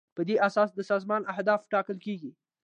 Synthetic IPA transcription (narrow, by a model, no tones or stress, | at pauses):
pəd̪eʔasɑsd̪əsɑzmɑnʔahd̪ɑfʈɑkəlkeɡi